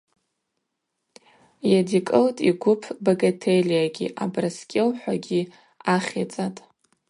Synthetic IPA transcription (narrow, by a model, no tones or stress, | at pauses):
jadikʼɨltʼiɡʷʊpʰboɡatʰeliaɡʲḭʔabraskʲʼewħʷaɡʲi | aχʲet͡sʼatʼ